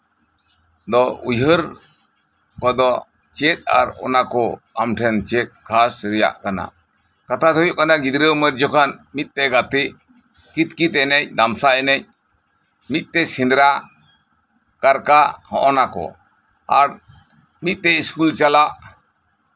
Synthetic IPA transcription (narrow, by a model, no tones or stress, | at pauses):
d̪ɔujɦəɾ | kɔd̪ɔ | t͡ʃɛt̪̚a̰ɾɔ̰nakɔamʈʰɛnt͡ʃɛt̪̚kʰasɾɛja̰ʔkana̰ | kat̪ʰat̪ʰɔjɔʔkanaɡid̪ɾəwməɾd͡ʒɔkʰanmit̪̚t̪ɛɡat̪i | kit̪̚kit̪ɛnɛɲd̪amsaɛnɛɲ | mit̪̚ˀt̪ɛsind̪ɾa | kaɾkahɔ̰̃ʔɔnakɔ̰ | a̰ɾ | mit̪̚t̪ɛiskult͡ʃalaʔ